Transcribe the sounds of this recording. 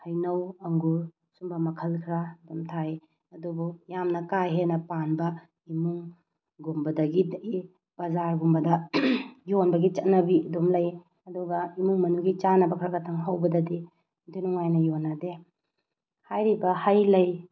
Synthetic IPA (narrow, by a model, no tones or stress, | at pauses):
hɐjnɐwɐŋɡu | sumbɐmɐkʰɐlkʰɾadumtʰaj | ɐdubujamnɐkajɦenɐpanbɐ | imuŋ | ɡumbɐdɐɡidɡi | b̥ɐzaɾɡumbɐdɐ | jonbɐɡit͡ʃɐt̚nɐbiɐdomlɐj | ɐduɡɐimuŋmɐnuɡit͡ʃanɐbɐkʰɾaɡɐtʰaŋɦawbɐdɐdi | dinuŋajnɐjonːade | hajɾibɐhajlɐj